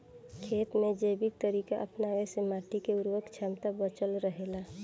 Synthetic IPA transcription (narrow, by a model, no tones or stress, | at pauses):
kʰeːt̪med͡ʒebik̚t̪əɾiːkaʔə̰pnawesemaːʈikeuɾʋəkt͡ʃʰamt̪abət͡ʃəlɾəɦela